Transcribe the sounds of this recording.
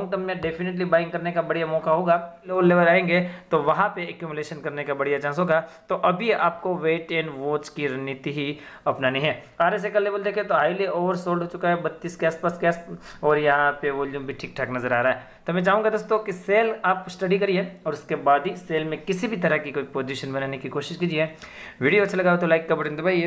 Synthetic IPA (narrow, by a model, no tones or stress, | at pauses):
ŋkɐmjaɖeːpʰɪneʈ̬libaːɪ̃ŋɡkɐɾnekabɐɽijamɔːkaɦoːɡaleːʋəlːeːʋəɾaːẽːŋɡet̪oʋɐɦãpeɛkjuːmɪleːʃənkɐɾnekabɐɽijat͡ʃãːnsɦoːɡat̪oʔɐbʱia̰ːp̚koʋeːʈɛ̃nʋoːt͡ʃkiɾɐɦnɪt̪iɦi | ɐpnanĩɦɛː | aːɾes̬ekɐlːeːbəld̪eːkʰet̪oɦaːileoːʋəɾsoːlɖɦoːt͡ʃʊkaɦɛbɐt̪ːiːskeaːspaːskeaːsɔːɾjɐɦãpeʋɔːljuːmbʱiʈʰiːk̚ʈʰaːknɐzəɾaːɾaːɦɛ | t̪omɛ̃t͡ʃaːɦũŋɡad̪oːst̪õkiseːlaːpsʈɐɖikɐɾieɔːɾʊskebaːd̪ɦiseːlmẽkɪsibʱit̪ɐɾəkikoːipoːd͡ʒiʃənbɐnaːnekikoːʃɪʃkiːd͡ʒieː | ʋiːɖijoɐtːʃʰelɐɡaːʋet̪olaːɪkːabɐʈẽnd̪obʱaːje